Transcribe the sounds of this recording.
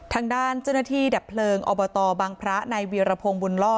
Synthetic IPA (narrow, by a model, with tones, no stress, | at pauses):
t̪ʰaː˧ŋdaː˥˩nt͡ɕaː˥˩na˥˩t̪ʰiː˥˩dɛː˨˩pʰːlɤː˧ŋʔɔː˧bɔː˧t̪ɔː˧baː˧ŋpʰɾa˦˥na˧jwiː˧ɾa˧pʰoː˧ŋbu˧nlɔː˥˩